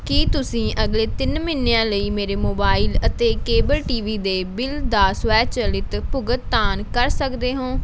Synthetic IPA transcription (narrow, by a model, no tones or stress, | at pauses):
kiːt̪ʊsĩːʔəɡleːt̪ɪnmɪnːejãːləiːmeːɾeːmoːbaːɪlət̪eːkeːbəlʈiːʋiːd̪eːbɪld̪aːsʋɛːt͡ʃəlɪt̪pʊɡət̪̚ːaːnkəɾsəkd̪eːɦõː